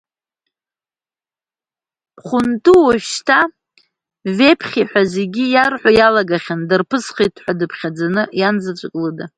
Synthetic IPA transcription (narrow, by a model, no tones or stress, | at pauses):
χʷʊntʼuwaʃʃtʰa | ve̞pʰχʲiħʷᶣazeɡʲijarħʷajalaɡaχʲandɨrpʰɨsχejtʼʰħʷadɨpʰχʲad͡zanɨjand͡zat͡ʃʷʼakʼlɨda